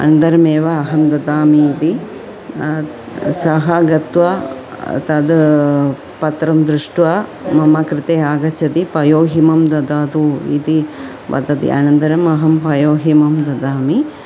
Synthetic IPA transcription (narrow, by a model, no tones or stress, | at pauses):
ɐ̰nd̪ɐɾɐmeːʋɐːɦɐmd̪ɐd̪aːmiːd̪i | sɐɦaɡɐt̪ʋa | t̪ɐd̪ | pɐt̪ɾɐmd̪ɾuʂʈʋamɐmɐkɾɪt̪eːaːɡɐt͡ʃɐt̪ipɐjoːɦimɐmd̪ɐd̪aːd̪uḭd̪i | ʋɐ̰d̪ɐt̪ḭʔa̰nɐnd̪ɐɾɐmɐɦɐmpɐjoːɦimɐmd̪ɐd̪aːmi